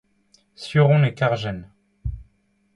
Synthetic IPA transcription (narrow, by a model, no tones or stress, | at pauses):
sjøʁɔ̃nekaʁʒɛn